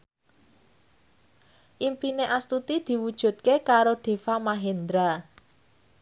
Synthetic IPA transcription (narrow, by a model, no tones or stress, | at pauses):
ʔimpineʔast̪ut̪id̪̥i̤wud̥ʒ̥ṳt̪̚kekaɾoɖ̪̥e̤famaɦend̪ɾa